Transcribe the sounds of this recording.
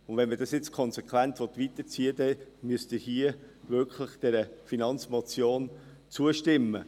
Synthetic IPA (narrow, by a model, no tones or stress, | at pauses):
ʊndʋɛnməd̥ɑsjɛt͡skʰɔnsɛkʋæntʋɔt̪ʋit̪ət͡siədɛmyəstəhiəʋʏkχlɪχd̥ɛɾəfinɑnt͡smɔt͡sjoːn | t͡suəʃtɪmːə